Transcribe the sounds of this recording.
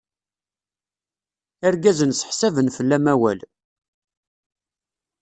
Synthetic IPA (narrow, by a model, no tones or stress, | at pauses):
æɾɡæzənsə̥ħsævənfəlːæmæwæ̰l